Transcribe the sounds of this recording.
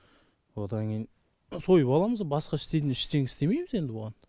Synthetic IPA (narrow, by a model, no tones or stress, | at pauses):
wo̞d̪ɑŋkʲʰejɪn | so̞jəpɑlˠɑməzbɑsqɑɪʃt̪e̞t̪ɪnɪʃt̪e̞ŋɪst̪e̞me̞jmɪze̞nd̪ɪboʁɑn